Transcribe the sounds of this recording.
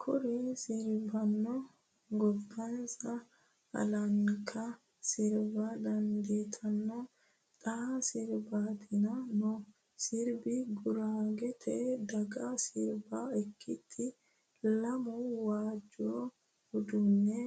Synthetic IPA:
kʰɔɾɛsɪɾbɐnːɔ | ɡɔbːɐnsɐ | ɐ̰lɐŋkʰɐ | sɪɾbɐd̪ɐnd̪eːt̪ʰʼɐnːɔ | t̪ʼasɪɾbaːt̪ʰɪnɐnɔ | sɪɾbɪɡʊɾaːɡɛt̪ʰɛd̪ɐɡasɪɾbaɛkːɪt̪ʰʼːɪ | lɐmɔwaːd͡ʒːɔo | hɔd̪ʊnːɛ

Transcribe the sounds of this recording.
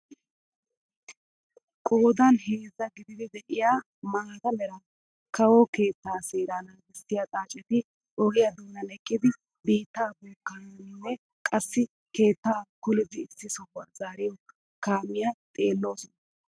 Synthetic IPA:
kʼoːd̪ɐne̞ːzːɐɡɪd̪ɪd̪ɪd̪ɛʔɪjaː | maːt̪ɐmɛɾɐ | kɐwoke̞ːt̪ːaːseːɾanamɪsːɪjat̪ʼaːt͡ʃʼːɛt̪ɪ | ʔɔɡɪjɐd̪unːɐnɛkʼːɪd̪ɪ | biːt̪ːaːbɔkːɐnɪwɛ | kʼɐsːɪ | ke̞ːt̪ːaːkʊlɪd̪ɪːsːɪsɔwɐzaːɾɪjɔ | kaːmɪjat̪ʼe̞ːlːo̞ːsɔnɐ

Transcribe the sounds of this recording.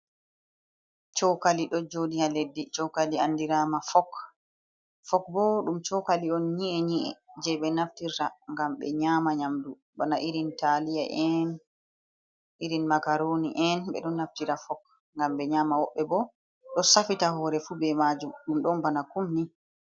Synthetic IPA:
t͡ʃɔwkaliɗɔd͡ʒodihaledːit͡ʃɔkaliandiɾaːmafɔk | fɔkbɔɗumt͡ʃɔkaliɔnɲiɛɲiʔɛ̰d͡ʒɛɓɛnaftiɾtaŋɡamɓɛ̰ɲaːmaɲamdu | banaʔiɾintalija̰ʔɛn | iɾinmakaɾoniʔɛnɓɛ̰ɗɔnːaftiɾafɔk | ŋɡamɓɛɲaːmawɔɓːɛbɔ | ɗɔsafitahɔːɾɛfubɛmad͡ʒumɗumɗɔnbanakumni

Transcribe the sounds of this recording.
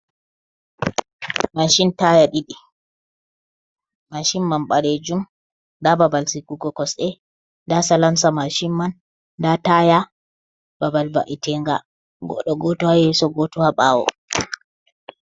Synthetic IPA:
maʃintajaɗiɗi | maʃimːanɓaɾed͡ʒum | ndababalsikuɡɔkɔsɛ | ndasalamsamaʃimːan | dataja | b̥abalba̰ʔitʰɛŋɡa̰ | ɡɔ̰ɗɔɡɔtɔhajɛsɔɡɔtɔhaɓawɔ̰

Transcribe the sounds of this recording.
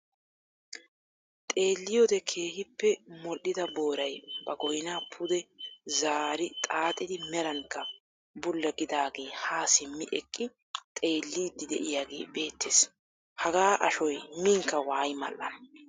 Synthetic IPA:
t̪ʼe̞ːlːɪjod̪ɛkʰe̞ːhɪpːɛmɔɗɪd̪ɐbo̞ːɾɐjbɐɡɔjnaːpʰʊd̪ɛzaːɾɪt̪ʼaːt̪ʼːɪd̪ɪmɛɾɐŋkːɐ | bʊlːɐɡɪd̪aːɡe̞ːhaːsɪmːɪʔɛkʼːɪ | t̪ʼe̞ːlːiːd̪ːɪd̪ɛʔɪjaːɡe̞̰ːbe̞ːt̪ʰːeːs | hɐɡaːʔɐʃɔjmɪŋkːɐwaːjmɐ̰lːɐ̰n

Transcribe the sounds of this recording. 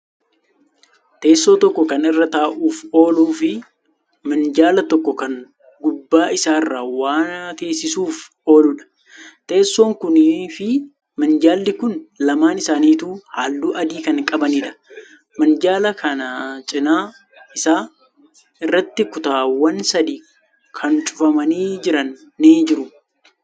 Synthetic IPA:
t̪e̞ːsːo̞ːt̪ɔkːɔkɐnɪrːɐt̪aːʔuːfo̞ːluːfɪ | mɐnd͡ʒaːlɐt̪ɔkːɔkɐŋ | ɡʊbːaːɪsaːɪrːaːwaːnt̪e̞ːsːɪsuːf | o̞ːlʊᶑɐ̥ | t̪e̞ːsːo̞ːŋkʊniːfɪ | mɐnd͡ʒaːlːɪkʊnlɐmaːnɪsaːniːt̪uːhaːlduːʔɐd̪iːkɐŋkʼɐbɐniːᶑɐ̥ | mɐnd͡ʒaːlɐkʰɐnɐt͡ʃʼɪnaː | ɪsaː | ɪrːɐt̪ːɪkʊt̪aːwɐnsɐd̪iː | kʰɐnt͡ʃʼʊ̥fɐmɐniːd͡ʒɪɾɐnː | iːd͡ʒɪɾʊ

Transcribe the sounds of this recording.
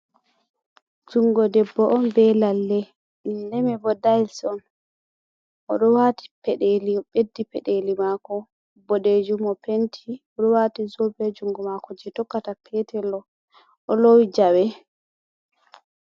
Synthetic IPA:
d͡ʒuŋɡɔdɛbːɔʔɔnbɛlalːɛ | dɛmɛbɔdajlsɔn | ʔɔɗɔwati̥pɛɗeliɓedːipɛɗelimakɔ | bɔded͡ʒumɔpentʰiɔɗɔwaːtizobɛd͡ʒuŋɡɔmakɔd͡ʒɛtɔkːatapʰɛtʰɛlːɔ | ʔɔlowid͡ʒawɛ

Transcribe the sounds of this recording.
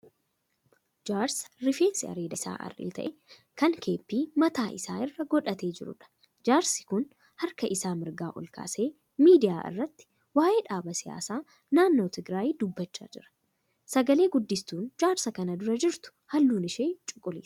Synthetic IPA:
d͡ʒaːɾsɾɪfeːnsɪɐ̰ɾeːd̪ɐsa̰ːʔɐ̰rḭlt̪ɐ̰ʔɛ | kɐŋkʰe̞ːpːiːmɐt̪aːʔɪsa̰ːɪrːɐɡɔᶑɐt̪e̞ːd͡ʒɪɾʊ̰ᶑɐ̥ | d͡ʒaːɾsɪ̥kʊn | hɐɾkɐʔɪsaːmɪɾɡaːʔɔ̰lka̰ːse̞ː | miːd̪ɪjaːʔɪ̰rːɐt̪ːɪ̥ | waːʔe̞ːᶑaːbɐsɪja̰ːsaː | naːnːo̞ːt̪ɪɡɾaːjiːd̪ʊbːɐt͡ʃːa̰ːd͡ʒɪɾɐ̥ | sɐɡɐle̞ːɡʊd̪ːɪst̪uːnd͡ʒaːɾsɐkɐnɐd̪ʊɾɐd͡ʒɪɾt̪ʊ̥hɐlːuːnɪʃeːt͡ʃʼʊkʼːʊlḭːs

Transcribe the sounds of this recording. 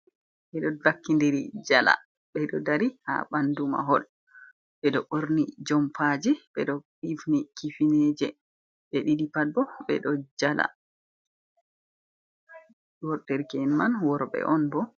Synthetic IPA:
ɓɛɗɔbakːindeɾid͡ʒala̰ | ɓɛɗɔdaɾiha̰ɓanduma̰ɦɔl | ɓɛɗɔʔoɾnid͡ʒɔmfad͡ʒɛbɛɗɔ | ivnikifinɛd͡ʒɛ | ɓɛɗidipad̚bɔɓɛ̰ɗɔd͡ʒala̰ | wɔɾdɛɾkɛnmanwɔɾɓɛ̰ʔɔnbɔ

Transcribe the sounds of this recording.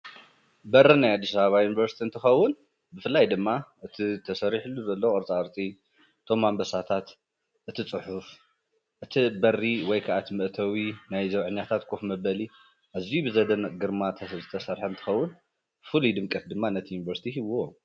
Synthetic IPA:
bɐɾinajad̪ːisaβaβajunivɐɾsi̥t̪ʰiɨnt̪ʰɨxɐwːʊn | bɨfɨlːajd̪ɨmːaʔɨt̪ʰit̪ʰɐsɐɾiħluzɐlːowʔʼɨɾt͡sʼaɨɾt͡sʼi | ɨt̪ʰo̞mːambɐsat̪ʰat̪ | ʔɨt̪ʰit͡sʼɨħʊf | ʔɨt̪ʰibɐriwɔjkʰaʔat̪ʰmɨʔt̪ʰɐwinajzɐβʕɨɲːat̪ʰat̪kʰʼofmɐbɐli | ʔazijubɨzɐd̪ɐnɡɨɾmat̪ʰɐzɨt̪ʰɐsɐɾħɐnt̪ʰɨ̥xɐwːʊn | fɨlud̪ɨmkʼɐt̪d̪ɨmːanːɐt̪ʰijunivɐɾsi̥t̪ʰiɦiβːo

